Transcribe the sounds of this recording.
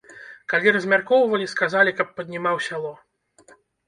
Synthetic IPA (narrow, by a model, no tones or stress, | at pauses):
kalʲiɾɐzʲmʲarkɔwvɐlʲiskazalʲikɐpːɐd̪ʲnʲimawsʲalˠɔ